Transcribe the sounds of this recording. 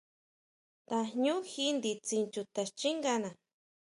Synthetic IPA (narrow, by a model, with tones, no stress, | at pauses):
t̪a˧ɲu˦xi˦nd̪it͡si˧nt͡ʃu˧t̪ast͡ʃi˦ŋɡana˨